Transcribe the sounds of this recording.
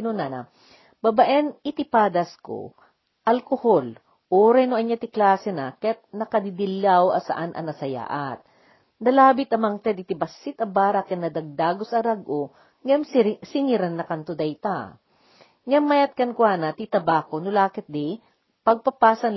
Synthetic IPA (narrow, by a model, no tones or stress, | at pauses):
nonanɐ̰ | bɐbaʔɛnɪt̪ɪpaːd̪ɐsko̰ | ʔɐlkohol | ʔuːɾɐjnʊʔɐɲːat̪ɪklaːsɛnɐkɛt̪̚nɐkɐd̪ɪd̪ɪlawɐ̰sɐ̰ʔanʔɐ̰nɐsɐja̰ːʔɐt̪̚ | nɐlaːbɪt̪ɐmɐŋt̪ɛd̪ɪt̪ɪbɐsːɪt̪ɐbaːɾakɛnːɐd̪ɐɡ̚d̪aːɡosɐɾaɡʔo | ŋamsɪŋiɾanːɐkɐnt̪ʊd̪ɐjt̪a | ŋamːajɐt̪̚kɐnkwanɐt̪it̪ɐbaːkonʊlaːkɛt̪̚d̪i | pɐɡ̚pɐpaːsɐn